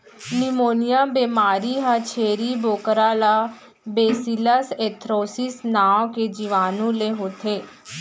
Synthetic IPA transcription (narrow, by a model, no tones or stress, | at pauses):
nɪmoːnɪjaːbeːmaːɾiːɦãːt͡ʃʰeːɾiːboːkɾaːlaː | beːsilaːseːt̪ʰɾoːsɪsnaːkeːd͡ʒiʋaːnũːleːɦoːt̪ʰeː